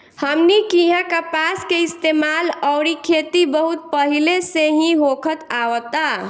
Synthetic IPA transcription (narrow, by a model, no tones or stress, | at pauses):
həmnikiɦãkəpaskeist̪emaləʊɾikʰet̪ibəɦut̪̚pəɦileseɦĩɦokʰət̪awət̪a